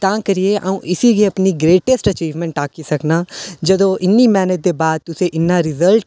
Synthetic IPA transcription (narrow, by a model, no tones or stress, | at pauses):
t̪ãːkɐɾieʔa̰ũʔɪsiɡeɐpniɡɾeːʈesʈɐt͡ʃiːʋmɛ̃ɳʈaːkisɐknaːd͡ʒɐd̪õʔɪnːimɛːnət̪̚d̪ebaːd̪̚t̪ʊseʔɪnːaɾɪzəlʈ